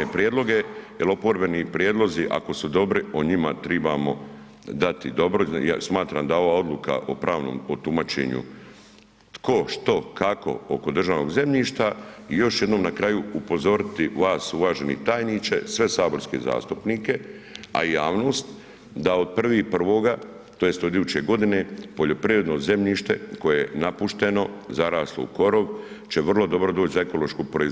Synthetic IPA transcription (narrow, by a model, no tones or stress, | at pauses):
epɾijed̪lˠo̞ɡe̞jelo̞po̞ɾbe̞nipɾjed̪lˠo̞ziʔa̰ko̞sud̪o̞bɾioɲimat̪ɾɛbamo̞̰ | d̪at̪id̪o̞bɾojasmaːt̪ɾamd̪ao̞ʋaːo̞d̪luka̰ʔo̞pɾaːʋnoːmot̪umat͡ʃḛɲṵ | t̪ko̞ʃt̪o̞kako̞̰oko̞d̪r̩ʒaːʋno̞ɡze̞mʎiːʃt̪aijo̞ʃje̞d̪noːmnakɾajuupo̞zo̞ɾɪt̪iʋaːsulaːʒe̞nḭt̪aːjnit͡ʃe̞̰sʋe̞saːbo̞ɾskḛza̰ːst̪upniːke̞ | a̰jaːʋno̞ːst̪ | d̪aod̪̚pr̩ʋipr̩ʋo̞ːɡa | t̪oje̞st̪od̪ijuːt͡ɕe̞ɡo̞d̪ine̞po̞ʎo̞pɾiʋɾe̞d̪noze̞mʎiːʃt̪e̞ko̞jeenapuʃt̪e̞no̞zaɾaːslˠoṵko̞ɾo̞ʋt͡ɕeʋr̩lˠo̞d̪o̞bɾo̞d̪o̞ːt͡ɕzaeko̞lˠo̞ʃkupɾoiz